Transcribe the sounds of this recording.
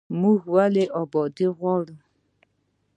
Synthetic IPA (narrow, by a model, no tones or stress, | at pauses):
muɣualeʔɔbɔdɪɣʷɔɾʊ